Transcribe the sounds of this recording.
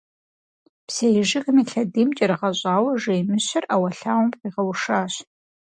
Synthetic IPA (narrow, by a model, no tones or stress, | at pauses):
psejɪʒɪkɨmiːɬɐdiːmt͡ʃʼɐɾɨʁɐɕʼaːwɐʐejmɨɕɪrʔaːwɐɬaːwʊmqiːʁɐwʂaːɕ